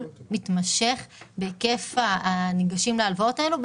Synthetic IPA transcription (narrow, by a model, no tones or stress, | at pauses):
lmitmaʃe̞χbe̞ke̞faːniɡaʃimlealvao̞tae̞lub